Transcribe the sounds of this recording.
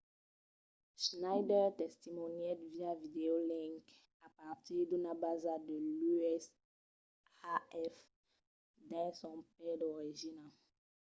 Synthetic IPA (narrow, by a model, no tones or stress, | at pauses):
ʃnajdɛʁt̪ɛst̪imɔnjɛdviavid̪eolĩŋk | apaʁt̪iʁd̪unabazad̪əlyɛs | aɛf | d̪ɛ̃sɔ̃p̚ɛd̪ɔʁiʒina